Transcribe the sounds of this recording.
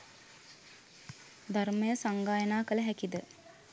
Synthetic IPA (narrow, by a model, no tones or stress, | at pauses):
d̪ʱarməjəsaŋɡaːjənaːkələɦækid̪ə